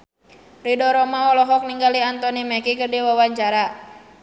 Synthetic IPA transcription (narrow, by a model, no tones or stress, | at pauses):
ridɔɾɔmaɔlɔɦɔk̚niŋɡaliant̪ɔnimɛkikərdiwawaɲt͡ʃaɾa